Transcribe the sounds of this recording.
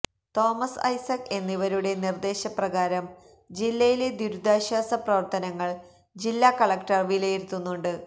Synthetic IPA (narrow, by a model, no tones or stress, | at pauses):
t̪o̞ːmɐsɐ̰jsɐke̞nːiʋɐɾuɽe̞nird̪e̞ːɕɐprɐɣaːɾɐm | d͡ʑilːɐjile̞d̪uɾud̪ʱaːɕaːsɐprɐʋɐrt̪ɐnɐŋːɐɭ | d͡ʑilːaːkɐɭɐkʈɐrʋilɐjiɾut̪ːunːuɳɖɨ